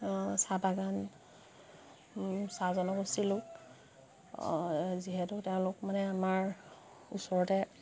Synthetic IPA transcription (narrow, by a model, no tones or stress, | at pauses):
sabaɡan | sazɔnɔkusilʊk | ziɦɛtʊteʊ̃lʊkmanɛamaɹ | usɔɹɔtɛ